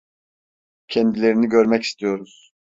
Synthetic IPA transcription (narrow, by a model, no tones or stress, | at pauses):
cʰɛnd̪ilʲe̞ɾiniɟøɾmɛci̥st̪ʰijo̞ɾuz̥